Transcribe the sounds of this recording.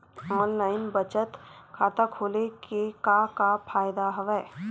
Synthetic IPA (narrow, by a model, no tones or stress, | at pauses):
ɔːnlaːɪnbət͡ʃət̪kʰaːt̪akʰoːlekekakapʰaːjd̪aɦəʋɛː